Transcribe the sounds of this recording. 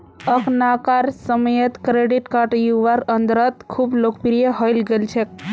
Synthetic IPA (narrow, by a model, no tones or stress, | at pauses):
əknakaɾsəməjət̪kɾeɖiʈkaɾʈjuʋaɾənd̪ɾət̪kʰublokpiɾijeɦɔjlɡəlt͡ʃʰek̚